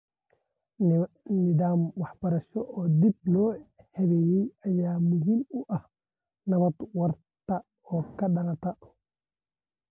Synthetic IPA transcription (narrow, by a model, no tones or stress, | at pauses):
nid̪aːmwaħbɐɾɐʃɔʔɔd̪ib̚nɔː | hɛβɛjɛjajaːmuɦimuʔah | nɐβɐt̪waɾ | t̪a | ɔkɐɗɐnat̪a